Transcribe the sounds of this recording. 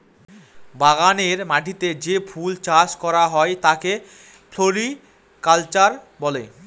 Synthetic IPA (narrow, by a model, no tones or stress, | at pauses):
baɣaneɾmaʈʰit̪ed͡ʑefʰult͡ɕaʃkɔɾaɦɔet̪ake | pʰloɾi | kalt͡ɕaɾ | bɔle